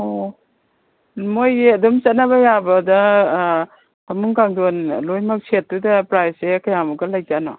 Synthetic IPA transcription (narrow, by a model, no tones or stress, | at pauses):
o | mojeɐdɔmt͡ʃɐt̚nabɐjabɐdɐ | amuŋkaŋdɔnlojmak̚sʰet̚dudɐpɾajsekɐjamuɡɐlajd͡ʒanɔ̰